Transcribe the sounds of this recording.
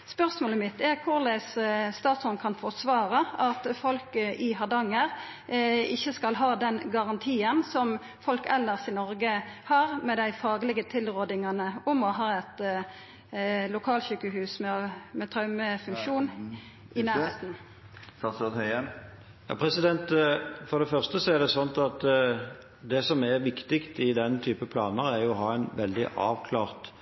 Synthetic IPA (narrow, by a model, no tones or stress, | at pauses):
spœʁsmoːləmɪt̪ːæʁkʰʊʁlæɪsst̪ɑːt̪sɔnkʰɑnfɔʁt̪sʋɑːʁɑɑt̪fɔlkəʔɪɦɑd̪ɑŋːəʁ | ɪçːəskɑlɦɑːd̪ɛnɡɑʁɑnt̪ʰiːənsɔm | fɔlkɛlːəʁsɪnɔɾɡəhɑːʁmɛd̪æɪfɑːɡlɪɡət̪ʰɪlʁoːd̪ɪŋɑnəʊmɔɦɑːɛt̪ | lʊkʰɑːlçyːkəɦʉːsmɛmɛt̪ʰɾɑʉməfʉŋkʃuːn | ʔɪnæːʁmeːt̪n | st̪hœɛ | jɑ̰ːpʰɾɛsɪd̪ɛnt̪fɔʁd̪ɛfœʁst̪əsɔæʁd̪ɛsɔnt̪ɑt̪ | d̪ɛsɔmɛʁʋɪkt̪ɪkt̪ɪd̪ɛnt̪ʰyːpəpʰlɑ̰ːnəɾæɾjʊɔɦɑːɛnʋɛld̪ɪ̰ʔɑ̰ːʋkʰlɑːʁt̪